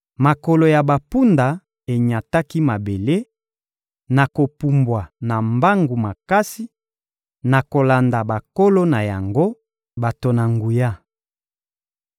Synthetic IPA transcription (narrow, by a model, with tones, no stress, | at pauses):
ma˨ko˨lo˨ja˨ba˨pu˦nda˨ | e˨ɲa˨ta˦ki˦ma˨be˨le˦ | na˨ko˨pu˨mbwa˨na˨mba˦ŋɡu˨ma˨ka˦si˦ | na˨ko˨la˨nda˨ba˨ko˦lo˦na˨ja˨ŋɡo˦ | ba˨to˨na˨ŋɡu˨ja˦